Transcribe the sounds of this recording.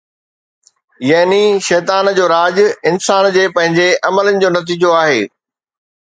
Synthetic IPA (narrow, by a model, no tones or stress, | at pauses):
jɐɦniʃɛːt̪aːnd͡ʑoːɾaːd͡ʑʊɪnsaːnd͡ʑeːpɐ̃ɦɪ̃ɲd͡ʑeʔɐmələnɪ̆d͡ʑoːnɐt̪̬iːd͡ʑoaːɦeː